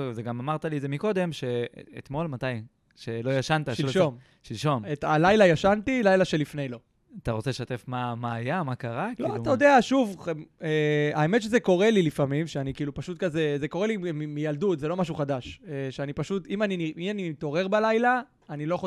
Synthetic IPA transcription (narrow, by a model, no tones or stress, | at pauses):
zeɡamamaʁt̪aliezemiko̞d̪e̞mʃe̞ḛt̪mo̞lmat̪aj | ʃelo̞jaʃant̪aʃiʃom | ʃilʃo̞metalajlajaʃant̪ilajlaʃe̞lifne̞jlo̞ | at̪aʁot͡seleʃat̪e̞fmamaːjamakaʁakloiatajod̪eaʃuveae̞me̞tʃ̬eze̞ko̞ʁelilifamimʃeanikiːlupaʃut̪̚kaze̞ze̞ko̞ʁelimimijaldut̪ze̞lo̞maʃ̬uχadaʃeʃeanipaʃut̪imaniniimaniit̪o̞ʁe̞ʁbalajlaː | nilo̞jaxo